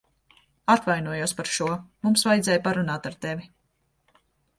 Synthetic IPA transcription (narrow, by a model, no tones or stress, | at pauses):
at̪vajnuɔjuɔspaɾʃuɔmumsvajd̪zɛːjpaɾunaːt̪aɾt̪evʲi